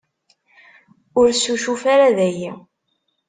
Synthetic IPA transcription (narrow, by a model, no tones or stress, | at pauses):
ʊɾsuʃufaɾaðæjæ